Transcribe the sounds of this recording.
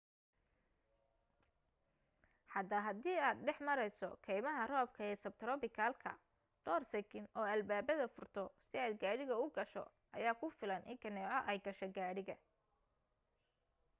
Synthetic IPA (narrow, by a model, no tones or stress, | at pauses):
ħɑd̪ɐɦɐd̪iːaːd̪ɖɛħmɐɾɛjsɔ̰kʰɛjmɐɦɐrɔːb̚kʰɐɛːsɐb̚t̪ʰɾɔbɪkʰaːlkʰɐ̰ | ɖ̥ɔːrsɛkʰɪnʔɔːɐlbaːbɐðɐfʊrt̪ʰɔsɪaːd̪ɡaːɽɪɣɐʊɡɐʃɔ̰ | ʔɐ̰jaːkʰʊfɪlɐnʔɪ̰ŋkʰɐnɛːʕɔʔɛjɡɐʃɛɡaːɽɪɣɐ